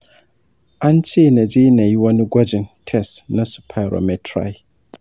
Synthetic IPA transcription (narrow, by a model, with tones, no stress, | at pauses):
ʔa˦nt͡ʃe˦na˨d͡ʒi˦na˨ji˦wɐ˦ni˦ɡʷɐ˦d͡ʒɪ˨ntʰɛ˦˨sna˦su̥˨pʰa˨ɾo̰˨mɛ˨tʰɾa̰˨˦ji˦